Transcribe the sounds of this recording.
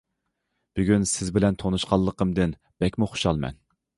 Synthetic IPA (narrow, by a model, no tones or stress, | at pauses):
b̥yɡʲynsɪzbɪlɛnt̪ʰonuʃqɑlˠːəqəmd̪ɨn | b̥ɛkʲmuχo̥ʃɑlˠmɛ̰n